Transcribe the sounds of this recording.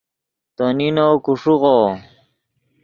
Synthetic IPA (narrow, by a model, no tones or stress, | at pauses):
t̪oninoːkuʂuɣo